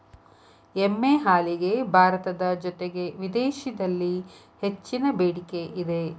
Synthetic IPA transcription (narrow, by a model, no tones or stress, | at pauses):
emːeɦaːliɡe̞bʱaːɾɐt̪ɐd̪ɐd͡ʒɔt̪eɡe̞ʋid̪eːʃid̪ɐlːi | het͡ʃːinɐbeːɽikeʔid̪e